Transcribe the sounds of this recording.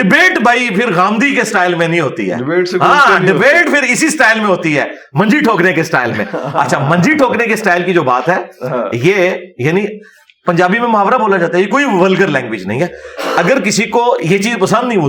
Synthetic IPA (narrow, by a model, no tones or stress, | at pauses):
ɖɪbeːʈbʱaːipʰɪɾɣaːmd̪ikesʈaːɪlmẽnĩɦoːt̪ḭɦɛ̰ːɪeːɦãːɖɪbeːʈpʰɪɾɪsisʈaːɪlmẽɦoːt̪iɦɛː | mɐ̃nd͡ʒiʈʰoːknekesʈa̰ːɪlmḛ̃ɐ̰tːʃʰamɐ̃nd͡ʒiʈʰoːknekesʈaːɪlkid͡ʒoːbaːt̪ɦɛːjejaːnĩ | pɐ̃ɲd͡ʒaːbimẽmʊɦaːʋɾaboːlad͡ʒaːt̪aɦɛjekoːiʋəlɡəɾlɛ̃ːŋɡʋɪd͡ʒnɐ̰ɦĩɦɛːɐɡəɾk̬ɪsikojet͡ʃiːzpɐsə̃nd̪nɐɦĩoː